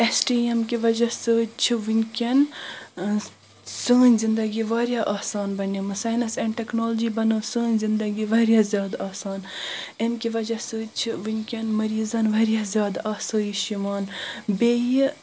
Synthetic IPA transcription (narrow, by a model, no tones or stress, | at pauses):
esʈiːemkiʋɐd͡ʒɐsɨːt͡ʃʰiʋinʲkʲen | səːnʲzind̪ɐɡiʋaːɾjaːʔaːsaːnbɐnimɨsɐːjnɐsɛɳɖʈeknoːlod͡ʒibɐnɐːsəːnʲzind̪ɐɡiʋɐɾʲjazjaːd̪aːsaːn | emkiʋɐd͡ʒɐsɨt͡ʃʰiʋɨnʲkʲɐnmɐɾiːzɐnʋɐɾijaːzʲjaːd̪aːsɐːjiʃimaːnbeji